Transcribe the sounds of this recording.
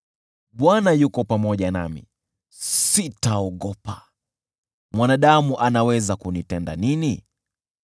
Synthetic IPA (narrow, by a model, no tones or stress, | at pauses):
ɓwanajukɔpamɔʄana̰mḭ | sitaɔɠɔpa | mwanaɗamuʔanawɛzakunitɛnda̰nini